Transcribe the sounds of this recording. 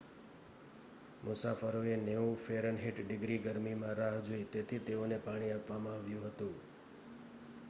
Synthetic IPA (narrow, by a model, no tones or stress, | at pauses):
mʊsafəɾoeneũfeɾənɦeʈɖɪɡɾiɡəɾmimãɾaɦd͡ʒoit̪et̪ʰit̪eonepaɽ̃iapʋamãaʋjũɦət̪ũ